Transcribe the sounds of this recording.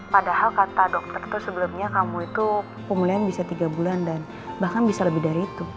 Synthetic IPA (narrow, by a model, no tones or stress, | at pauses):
padahalkat̪adɔk̚t̪ərt̪usəbəlumɲakamuit̪u | pəmulaanbisat̪iɡabulandan | bahkanbisaləbɪhdaɾiːt̪u